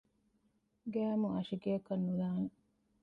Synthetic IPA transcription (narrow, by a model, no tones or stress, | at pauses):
ɡæːmuɐʃiɡiɐkɐnːulaːne